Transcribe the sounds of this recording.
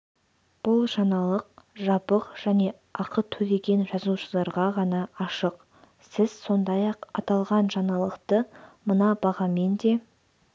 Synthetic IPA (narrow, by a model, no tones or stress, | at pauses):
b̥ʊlˠʒɑnɑlˠəq̚ʒɑpəqʒ̥æne̞ | ɑqʰət̪ʰɵd̪e̞ɡʲe̞nʒɑzuʃəlˠɑɾʁɑʁɑnɑɑʃəq | sɪz̥so̞nd̪ɑjɑqɑ̰t̪ɑlˠʁɑnʒɑnɑlˠəqt̪əmənɑbɑʁɑme̞nd̪e̞